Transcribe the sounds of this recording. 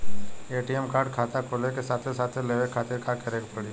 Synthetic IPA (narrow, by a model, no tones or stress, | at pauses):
eːʈiɛmkaːɾɖkʰaːt̪akʰoːlekesaːt̪ʰesaːt̪ʰeleːʋekʰaːt̪ɪɾkʰakəɾeːkpəɽi